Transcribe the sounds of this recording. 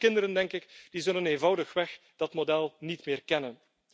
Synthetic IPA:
kɪndəɾəndɛŋkɪkd̥izɵləneːnvɑwdəxʋɛx | d̥ɑtmodɛlˠnitmɪːrkɛnən

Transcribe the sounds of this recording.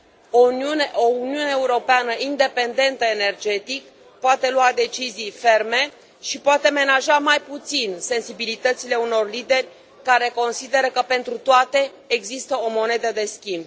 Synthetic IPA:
oiuneʔouniuneːuɾo̞peanəʔind̪e̞pe̞nd̪e̞nt̪əenerd͡ʒe̞t̪ik | poat̪e̞luad̪e̞t͡ʃizijfe̞rme̞ | ʃipoat̪e̞me̞naʒamajput̪sinse̞nsibilit̪ət̪sile̞uno̞rlid̪e̞rʲ | kaɾe̞ko̞nsid̪e̞ɾəkəpe̞nt̪ɾut̪oat̪e̞ː | ɡzist̪əo̞mo̞ne̞d̪əd̪e̞skʲimb

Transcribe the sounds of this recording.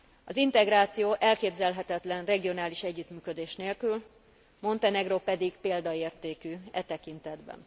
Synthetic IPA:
ɒzint̪ɛɡɾaːt̪sijoːʔɛlkeːbzɛlɦɛt̪ɛt̪lɛnrɛɡio̞naːliʃɛɟːyt̪myːkø̞d̪eːʃneːlkyl | mo̞nt̪ɛnɛɡropɛd̪iɡpeːld̪ɒeːrt̪eːkyːɛt̪ɛkint̪ɛd̪bɛ̰n

